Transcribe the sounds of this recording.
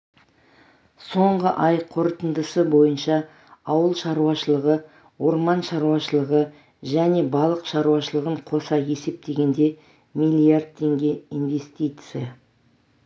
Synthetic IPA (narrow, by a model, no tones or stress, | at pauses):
so̞ɴʁəʔɑjqʰo̞ɾət̪ənd̪əsəbo̞jənʃɑ | ɑwəlˠʃɑɾuɑʃəlˠəʁə | wo̞ɾmɑnʃɑɾuɑʃəlˠəʁə | ʒæne̞bɑlˠəqʃɑɾuwɑʃəlˠəʁəɴqʰo̞sɑje̞se̞p̚t̪e̞ɡʲe̞nd̪e̞ | mijlʲˠiard̪̚t̪ʰːe̞ŋɡʲe̞inve̞st̪ijt̪sɨjɑ